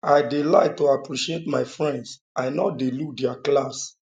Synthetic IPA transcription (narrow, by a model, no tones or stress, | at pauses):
aɪdila̰ɪk̚toapɹiʃietmaɪfɹɛ̃ndsʔaɪnɔdiludɛaklas